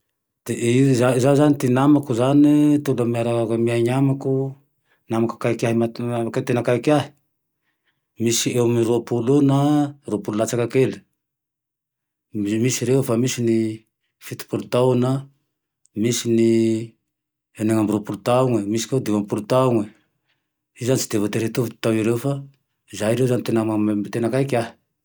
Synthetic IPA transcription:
d̪̥eʔizazazanit̪inamakuzanit̪udamiaɾakamiaɲamaku | namaku̥kaikʲaɦimaket̪enakaikaɦi̥ | misiemiɾuapulunaɾupululat͡sakakeli̥ | misiɾewfamisini | fit̪i̥pulut̪awna | misini | eneŋambiɾupulut̪auŋemisi̥ked̪iwampulut̪auŋe | izanit͡si̥d̪evat̪eɾet̪uvu̥t̪awiɾefa | izaiɾewzanit̪enamat̪enakaikaɦi̥

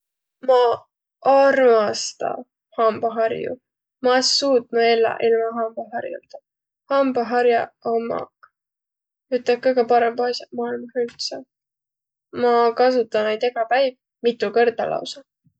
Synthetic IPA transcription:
mɑ | ɑrmɑst̪ɑ̰ | hɑmb̥ɑɦɑrjṵ | mɑsuːt̪mɑelːɑ̰ʔilmɑɦɑmb̥ɑɦɑrjṵld̪̥ɑ | hɑmbɑɦɑɾjɑomːɑ̰ | yt̪ːˑɑkːɤkɑpɑɾembɑsjɑmɑːilmɑhyt̪sɑ | mɑkɑs̬ut̪ːˑɑnejt̪ekɑpæjb | mit̪ːˑukɤrd̪ɑ̰lʔɑ̰wsɑ

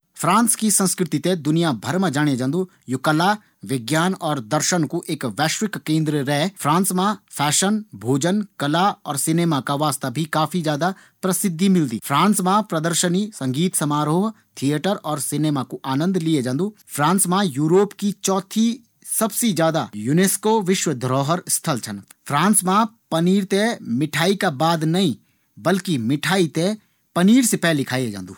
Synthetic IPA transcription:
pʰɾãːnskisɐ̃nskɾɪt̪it̪ẽd̪ʊnijabʱɐɾməd͡ʒaːɽ̃ed͡ʒãnd̪u | jʊkəla | ʋɪɡjaːnɔːɾd̪ɐɾʃənkuʔeːkʋɛːʃwɪkːẽːnd̪ɾəɾɛɦfʰɾãːnsmãpʰɛːʃənbʱoːd͡ʒənkɐlaɔːɾsɪneːmakaʋaːst̪abʱikaːfʰid͡ʒjaːd̪a | pɾɐsɪd̪ʱːimɪld̪ḭːfʰɾãːnsmãpɾɐd̪əɾʃənisɐ̃ŋɡiːt̪sɐmaːɾoːɦ | t̪ʰieʈəɾɔːɾsɪneːmakoʔaːnə̃nd̪lied͡ʒãːnd̪uːpʰɾãːnsmãjuːɾoːpkit͡ʃɔːt̪ʰi | sɐbsed͡ʒjaːd̪ajuneːskoʋɪʃwəd̪ʱɾɔːɦəɾst̪ʰəlt͡ʃʰən | pʰɾãːnsmãpɐniːɾt̪emɪʈʰaːikabaːd̪nɐĩ | bɐlkimɪʈʰaːit̪e | pɐniːɾsepɛːlːɪkʰaːied͡ʒã̰ːnd̪ṵː

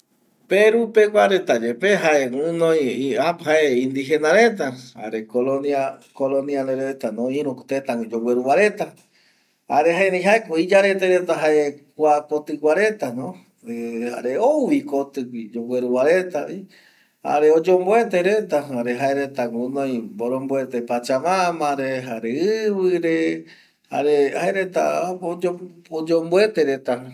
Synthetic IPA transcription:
peɾupekʷaɾet̪ad͡ʒepeɦaeŋunõjaphaeĩnd̪iɦenaɾe̞t̪̬aa̰ɾekolonakolõnialeɾet̪anõĩɾũkt̪et̪aŋd͡ʒoweɾuwaɾet̪a | aɾeɦaeɾẽj̃ɦaekoid͡ʒaɾet̪eɾet̪aɦaekʷakot̪ɨkʷaɾet̪anõ | eha̰ɾeowʋikot̪ɨkʷid͡ʒowe̞ɾuwaɾe̞t̪ai | ha̰ɾeod͡ʒomboe̞t̪eɾe̞t̪ahaɾeɦaeɾet̪aŋonõj̃boɾõmboet̪epat͡ʃamãmãɾeɦaɾeɨβɨɾe | ha̰ɾehaeɾe̞t̪a̰oood͡ʒomboe̞t̪eɾe̞t̪a

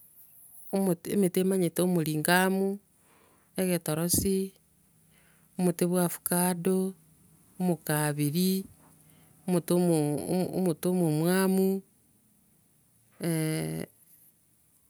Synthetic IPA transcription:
omemetemaɲetoomuliːŋɡamu | eɣetoɾosi | omuteβwafu̥kaːdoː | mukaβiɾi | omuto | mutomumwaːmu | e

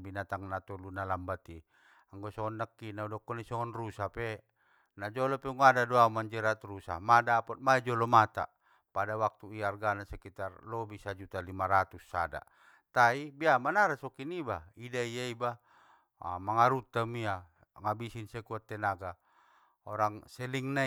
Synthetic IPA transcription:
binat̪aŋnat̪ɔlunalambat̪i | aŋɡɔsɔŋɔnːakːinaudɔkːɔnisɔŋɔnrusapɛ | nad͡ʒɔlɔpɛŋuadadoaumaɲd͡ʒɛɾat̪rusa̰madaːpɔt̪̚maid͡ʒɔlɔmat̪a̰ | padawak̚t̪uiarɡanasɛkit̪arlɔbisad͡ʒut̪alimaɾat̪usːa̰da̰ | t̪aibiamanaɾasɔkinibaidaijaiba̰ | maŋaɾut̪amia | ŋabisinsɛkuat̪ːɛnaɡa | ɔɾaŋsɛliŋna

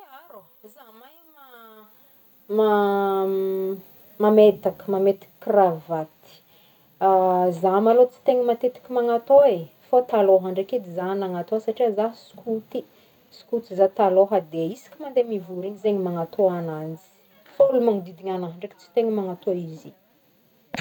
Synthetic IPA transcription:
aɾo | zamajma | ma | mamet̪akə̥mamet̪i̥kkravat̪i̥ | azamalot͡si̥t̪eŋəmat̪et̪i̥kʲimaŋat̪oe | fot̪aloɦaɳɖ͡ʐaked̪izanaŋat̪oasaʈ͡ʂiazaɦsi̥kʰut̪i | si̥kut̪izat̪aloɦad̪eisi̥kʲimand̪emivuɾiɲizeɲimaŋat̪ʰoanand͡zi̥ | faulumaŋid̪id̪iɲanaɦaɳɖ͡ʐaki̥t͡si̥t̪eŋəmaŋat̪oizi

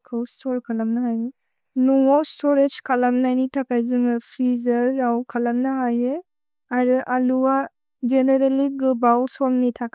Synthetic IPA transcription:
kʰowstʰɔɾkʰalamnaɦaje | nuŋɔstʰɔɾed͡ʒkʰalamnajnitʰakajzɯŋɯpʰizɐɾːawkʰalamnaɦaje | ajɾɯʔaluwa | zeneɾeliɡɯbawsɔlnitʰak

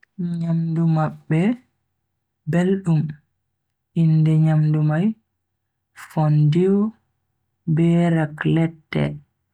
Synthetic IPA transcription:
ɲamdumaɓːɛ | belɗum | ʔindɛɲamdumaj | fɔndiw | bɛːɾaklɛtːɛ̰

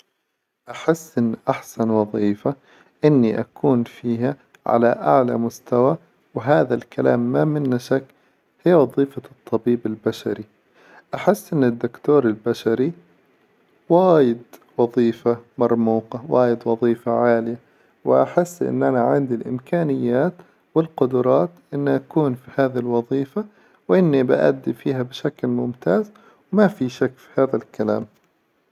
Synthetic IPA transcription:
ʔaħɪsːʔɪnːʔaħsanwɑðˤiːfa | ʔɪnːiʔa̰kuːnfiːɦa | ʕa̰laʔa̰ʕla̰mʊst̪awa | wɪɦaːðalkalaːmːamɪnːaʃakː | hɪjːawɑðˤiːfat̪ˤːɑbiːbɪlbaʃaɾi | ʔaħɪsːʔɪnːɪd̪ːʊkt̪oːɾɪlbaʃaɾi | waːjɪd̪wɑðˤiːfamɑɾˤmuːqɑwaːjɪd̪wɑðˤiːfaʕaːlɪja | wɪʔa̰ħɪsːʔɪ̰nːʔanaʕɪnd̪ilʔɪ̰mkaːnɪjːaːt̪ | wɪlqʊd̪ʊɾˤɑːt̪ʔɪnːaʔakuːnfihaːðlwɑðˤiːfa | wʔɪnːibɪʔa̰d̪ːifiːhabɪʃaklmʊmt̪aːz | wmafiʃakːfi̥haːðalkala̰ːm

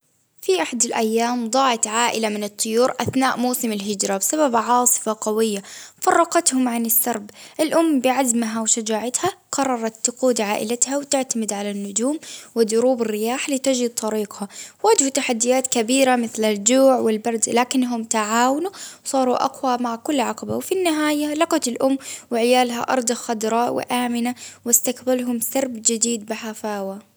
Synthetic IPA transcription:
fiʔaħad̪alʔajːaːmd̪ˤɑːʕɪt̪ʕaːʔɪlamɪnɨt̪ˤːʊjuːɾʔaθnaːʔmuːsɪmɪlɦɪd͡ʒɾˤabɪsababʕɑːsˤɨ̥faqawɪjːafɑrˤːɑqɑt̪hʊmʕanɪsːɑɾˤbʔɪlʔʊmːbɪʕazmɦawʃad͡ʒaːʕat̪haqɑrˤːɑɾˤɑt̪ːʊquːd̪ʕaːʔɪ̰lat̪hawt̪ɪʕt̪amɪd̪ʕalanːʊd͡ʒuːmwɪðʊɾuːbɪrːɪjaːħlit̪ɪd͡ʒɪd̪̚t̪ˤɑɾiːqhawaːd͡ʒhut̪aħad̪ːɪjaːt̪kabiːɾamɪθlald͡ʒuːʕwɪlbɑɾˤd̪laːkɪnːɦʊmt̪aʕaːwanuwsˤɑːɾˤuʔɑ̰qwamaʕkʊlːʕɑqɑba̰wfinːɪɦaːjalɑqɑt̪ɪlʔʊmːwɪʕɪjaːlɦa̰ʔɑ̰ɾˤd̪ˤɑxad̪ɾˤɑːʔwɪ̰ʔaːmɪnawɪst̪akbalɦʊmsɑɾˤbd͡ʒɪd̪iːd̪̚bɪħafaːwa

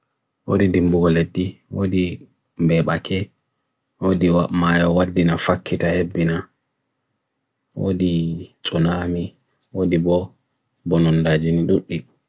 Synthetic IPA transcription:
wodidimbuɡɔledːiwodi | mbɛɓakʰɛ | wodiwamajɔwadːinafakːitahebːina | wo̰dit͡sʼunami | wodibɔ | bɔnɔndad͡ʒiniɗuɗːiɗ

